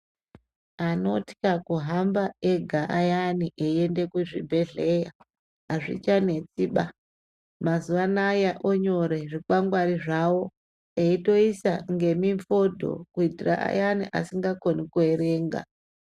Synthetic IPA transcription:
ano̞ti̥kakuɦambaeɡʱaʔajaniʔeiende̞kuʐibʱe̞ɮe̞ja | aʐḭt͡ʃane̞t͡siɓa | mazuʋanajaʔoɲo̞ɾe̞ʐikaŋɡwaɾiʐawo̞ | eito̞isaŋɡe̞miɱfo̞dʱo̞̰kuitira̰ʔa̰janiʔa̰siŋɡako̞nikueɾe̞ːŋɡa̰

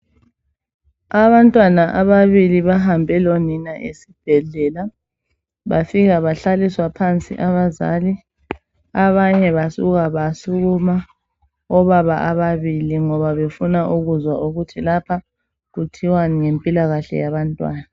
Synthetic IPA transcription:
aβantʼwanaʔaβaβiliβaɦambʱɛloninaʔḛsib̥ʱɛɮɛla | βafiɣaβaɬaliswapʰant͡sʼḭʔaβaza̰li | aβaɲɛβasṵɣaβasuɣuma | ɔβaβaʔaβaβiliŋɔβaβefunaʔuɣuzwaʔuɣutʰilapʰa | ɣutʰiwaniŋempʼilaɣaɬɛ̰jaβantʼwaːna

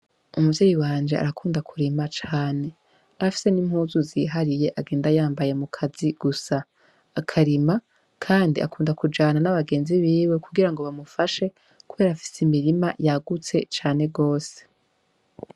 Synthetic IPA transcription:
umuvjeːjiwaːnd͡ʒe̞ʔa̰ɾakuːndakʰuɾimat͡ʃaːne̞ | aɾafi̥se̞nimhuːzuziɦaɾije̞ʔaɡe̞ːndajaːmbaje̞mukʰaziɡ̥usaː | kʰaɾima | kʰaːndiʔa̰kuːndakud͡ʒaːnanaβaɡe̞ːnziβiːwe̞kuɡiɾaŋɡo̞βamufaʃe̞ | kuβe̞ːɾaːfi̥simiɾimajaɡut͡se̞̰t͡ʃaːne̞ɡo̞ːse̥

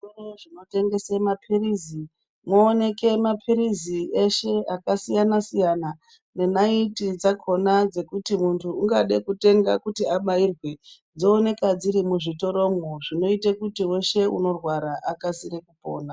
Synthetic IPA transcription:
soroʐino̞te̞ŋɡe̞semapʰirizi | moːne̞ke̞mapʰiɾizieʃe̞akasijanasijana | ne̞naitid͡zakʰo̞nad͡ze̞kutimuntʰuːŋɡaɗekute̞ŋɡakutiaɓairwe̞ | d͡zo̞ːne̞kad͡ziɾimuʐito̞ɾo̞moʐino̞itekutiwe̞ʃe̞ṵno̞rwaɾaʔakasiɾekupo̞̰ːna

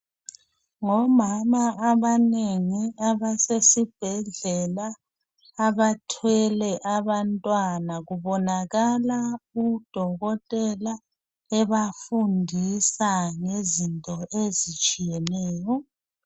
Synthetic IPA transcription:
ŋɔmamaʔaβaneŋiaβasesib̥ʱɛɮɛlaː | βatʰwɛlɛʔaβantʼwanaɣuβɔnaɣalaud̥ʱɔɣɔtʼɛla | ɛβafundʱisaŋezintʼɔʔezit͡ʃʼijɛnɛːjɔ

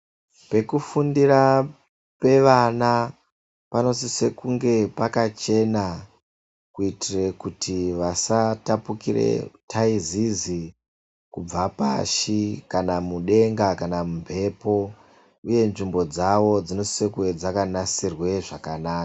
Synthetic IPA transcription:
pe̞kufundira | pe̞ʋana | pano̞sise̞kuŋɡe̞pakat͡ʃe̞na | kuitire̞kutiʋasatapukirḛtʰaizizi | kub͡vapa̰ʃikanamuɗe̞ŋɡakanamumpe̞po̞ | uje̞nʐimbo̞d͡zaʋo̞d͡zino̞si̥sekued͡zakanasirwe̞ʐakanaːka

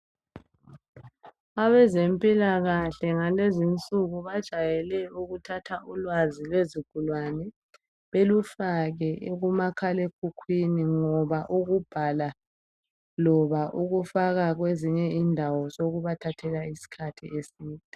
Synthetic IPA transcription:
aβɛzempʼilaɣaɬɛŋalezint͡sʼuɣuβad̥ʒ̥ʱajɛlɛuɣutʰatʰaʔulwazilweziɡ̥ʱulwanɛ | βelufaɣɛʔeɣumakʰalekʰukʰwiniŋɔβaʔuɣub̥ʱala | lɔβaʔuɣufaɣaɣweziɲɛindʱawɔzoɣuβatʰatʰɛlaisi̥kʰatʰiesiːtʼi

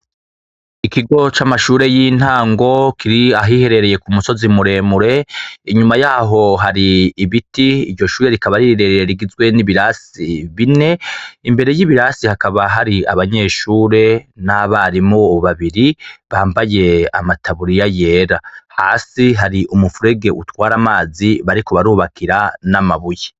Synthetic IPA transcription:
ikʰiɡo̞t͡ʃamaʃuːɾe̞jiːn̥haːŋɡo̞kʰiɾiaɦihe̞ɾe̞ɾe̞je̞kumuso̞zimuɾe̞ːmuɾe̞iɲumajaːɦo̞ɦaɾiːβitiːɾɟo̞ʃuːɾe̞ɾikaβaɾiɾeɾeɾiɡizɡwe̞niβiɾasiβine̞imbe̞ɾe̞jiβiɾaːsihakaβaɦaɾia̰βaɲe̞ːʃuːɾe̞naβaɾimoːβaβiɾiβaːmbaje̞a̰matʰaβuɾijaje̞ːɾahaːsiɦaɾiʔumufuɾe̞ɡe̞ʔutwaːɾamaːziβaɾiko̞βaɾuːβakʰiɾanamaβuje

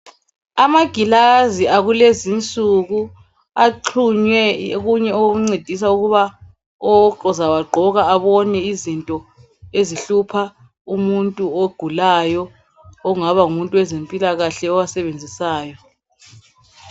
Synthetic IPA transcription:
amaɡ̥ʱilaziaɣulezint͡sʼuɣu | aǃʰuɲwɛɣuɲɛoɣuŋ͡ǀed̥ʱis̬auɣuβa | ɔɔzawaɡ͡ǃʱɔɣaːβɔnɛizintʼɔ | eziɬupʰa | umuntʼuoɡ̥ʱulajɔ | ɔŋaβaumuntʼuwɛzempʼilaɣaɬɛɔwasɛβend͡zʱisaːjɔ

